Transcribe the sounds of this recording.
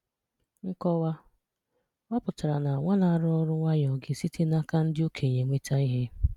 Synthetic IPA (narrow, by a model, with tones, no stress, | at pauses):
ŋ̩˦kɔ˦wa˦ | a˦pʊ˨ta˨ɾa˨na˨a˨ŋʷa˦la˦a˨ɾʊ˦ɔ˦ɾʊ˦ŋʷa˦ɲɔ˨ɡe˨si˦tʰe˦na˦ka˦n̩˦dɪ˦o˦kʰe˨ɲe˨ŋʷe˦ta˦i˦ɦe˦